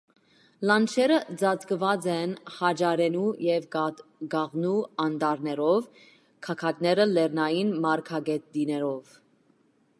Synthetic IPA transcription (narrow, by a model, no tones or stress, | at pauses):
lɑnt͡ʃʰɛɾəd͡zɑt͡skəvɑt͡sɛnhɑd͡ʒɑɾɛnujɛvɡɑʁnuɑnd̪ɑɾnɛɾɔv | kʰɑkʰɑt̪nɛɾəlɛɾnɑjinmɑɾkʰɑɡɛt̪̚d̪inɛɾɔv